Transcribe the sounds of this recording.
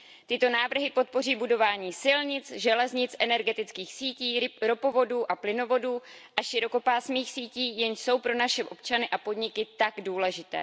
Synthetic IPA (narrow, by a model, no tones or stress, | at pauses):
t̪ɪt̪o̞naːvr̩ɦɪpo̞t̪̚po̞r̝iːbudo̞vaːɲiːsɪlɲɪt͡sʒɛlɛzɲɪt͡sʔɛnɛɾɡɛt̪ɪt͡skiːxsiːciːɾopo̞vo̞duːʔaplɪno̞vo̞duː | ʔaʃɪɾo̞ko̞paːsmiːxsiːciːjɛnʃso̞wpɾo̞naʃɛʔo̞p̚t͡ʃanɪʔapo̞dɲɪkɪt̪aɡduːlɛʒɪt̪ɛ̰ː